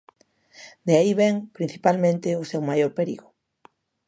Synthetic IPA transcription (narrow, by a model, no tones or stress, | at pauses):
d̪eaiβɛŋpɾin̟θi̥palmẽnt̪ɪʊsewmajoɾpeɾḭɣʊ